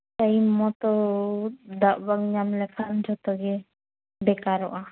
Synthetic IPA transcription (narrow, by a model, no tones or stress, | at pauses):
t͡ʃajmɔt̪ɔ | d̪aʔbaɡɲamlɛkʰand͡ʒɔt̪ɔɡɛ | bɛkaɾɔʔa